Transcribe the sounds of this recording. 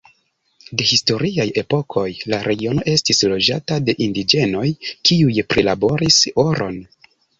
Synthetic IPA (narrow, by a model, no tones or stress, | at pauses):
de̞histo̞ɾiaje̞po̞kʰo̞jlaɾʔe̞ɡio̞no̞ʔe̞stislo̞d͡ʒatade̞ʔindid͡ʒe̞no̞jkiujpɾilabo̞ɾiso̞ɾʔo̞̰n